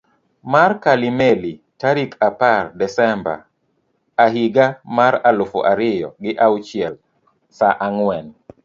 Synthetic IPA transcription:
markalimeli | taɾikapardɛsɛmba̰ | aɦiɡamaɾalʊfo̰ʔaɾɪjɔ̰ɡɪʔawut͡ʃɪɛl | saʔaŋwɛn

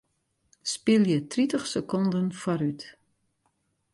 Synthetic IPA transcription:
spɪlˠjətritəχsəkɔndənfɔɾyt

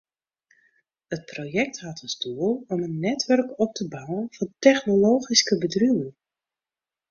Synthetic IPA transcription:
ət̚projɛk̚tɦatənstuəlˠɔmənːɛtʋœrkɔp̚tʰəbawənvɑntɛχnoloːχiskəbədrywən

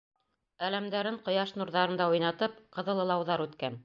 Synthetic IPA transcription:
ælæmd̪æɾɘɴqŏjɑʃnuɾðɑɾɤ̆nd̪ɑujnɑt̪ɤpqɤ̆ðɤ̆lˠɤ̆lˠɑwðɑɾʉt̪kæn

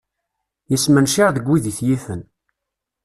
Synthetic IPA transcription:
jəsmənʃiʁðəɡʷːiðiθjiθən

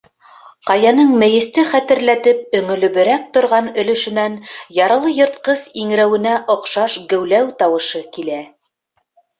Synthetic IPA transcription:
qɑjɑnɤɴmɘ̆jɘ̆st̪ɘχæt̪ɘ̆ɾlæt̪ɘp̚ɵ̆ŋɵ̆lɵ̆βɘ̆ɾæk̚t̪ŏɾʁɑnɵ̆lɵ̆ʃɘ̆nænjɑɾɤ̆lˠɤjŏɾt̪̚qɤsiŋ̆ɾæwɘ̆næʔŏqʃɑʃɡɘ̆wlæwt̪ɑwɤ̆ʃɤkilæ

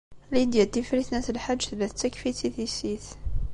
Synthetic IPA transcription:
lid̪jæt̪ːifɾiθnæθəlħad̪ʒθlæθt̪ːækfit̪iθisiθ

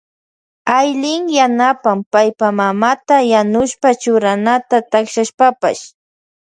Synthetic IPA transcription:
ajlɪŋjanapampajpamamat̪ajanʊʃpat͡ʃʊɾanat̪at̪akʃaʃpapa̰ʃ

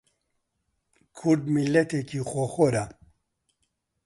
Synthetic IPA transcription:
kʰuɾd̪milːɐt̪ekʰixoxoɾa

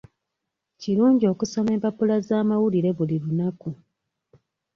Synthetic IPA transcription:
ciluːɲɟio̞kuso̞me̞ːmpapulazaːmawuliɾe̞βuliɾunaku

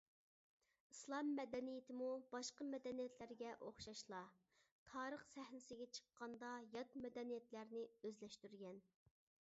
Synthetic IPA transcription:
islˠɑmːɛd̪ɛnijɪt̪ʰɪmubɑʃqəmɛd̪ɛnijɛt̪ʰlæɾɡʲɛʔoχʃɑʃlˠɑ | t̪ʰɑːɾəχsæhnɪsɪɡʲɛt͡ʃʰə̥qːɑnd̪ɑjɑt̪mɛd̪ɛnijɛt̪læɾnɪøzlɛʃt̪yɾɡʲɛn

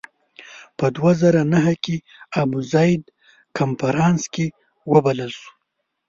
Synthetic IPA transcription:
pəd̪wazaɾanaɦakʲe | abuzajd̪ | kʰamfaɾɑnske | wəbaləlsu̥

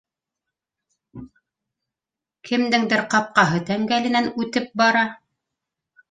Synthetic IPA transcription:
kʰɘ̆md̪ɘŋd̪ɘɾqɑp̚qɑɦɤt̪æŋɡælɘ̆nænʉt̪ɘp̚bɑɾɑ

